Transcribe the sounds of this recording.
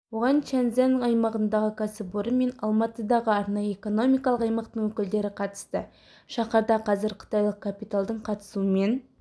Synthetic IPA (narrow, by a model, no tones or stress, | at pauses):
wo̞ʁɑnt͡ʃænzenəɴɑjmɑʁənd̪ɑʁəkʲʰæsɪpoɾəme̞nɑlˠmɑt̪əd̪ɑʁəɑɾnɑjəeko̞no̞mijkɑlˠəqɑjmɑqt̪əɴwɵkʲɪld̪e̞ɾɪqʰɑt̪ə̥st̪ə | ʃɑχɑɾd̪ɑqʰɑzɪɾqʰə̥t̪ɑjlˠəq̚kʰapijt̪alˠd̪əɴqʰɑt̪ə̥suəme̞n